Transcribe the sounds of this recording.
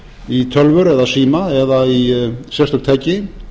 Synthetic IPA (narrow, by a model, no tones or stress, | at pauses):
it̪ʰœlvʏɾɛðasiːmaɛðaisjɛst̪ʏkt̪ʰɛcɪ